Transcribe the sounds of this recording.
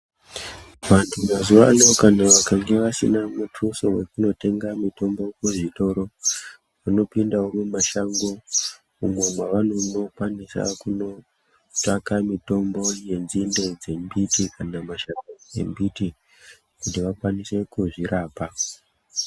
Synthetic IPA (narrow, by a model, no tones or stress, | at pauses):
ʋantʰumazuʋa̰no̞kanaʋakaŋɡe̞ʋasḭnamutʰusowe̞kuno̞te̞ŋɡamito̞mbo̞kuʐito̞ɾo̞ | ʋano̞pindawomumaʃaŋɡo̞ | umwe̞mwaʋano̞no̞kwanisa̰kuno̞ | takamito̞mbo̞je̞nzinde̞d͡ze̞mbitikanamaʃaŋɡoe̞̰mbiti | kutiʋakwanise̞kuʐiɾaːpa